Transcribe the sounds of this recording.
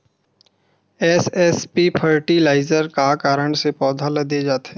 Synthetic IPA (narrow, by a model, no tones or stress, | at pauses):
ɛːsɛspipʰəɾʈilaːɪzəɾkakaːɾəɳsepɔːd̪ʱalɐd̪ed͡ʒaːt̪eː